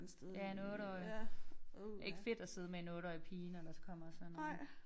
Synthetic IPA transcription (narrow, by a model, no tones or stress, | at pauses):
nsˠjænɔɾ̥ɒɪ | e̝ɡ̥fe̝d̥ɒse̝ð̞̩ˠmenɔɾ̥ɒɪpʰiːnɒd̥ɑsɒ̥kʰɒ̽m̰ɐsɒ̽nːo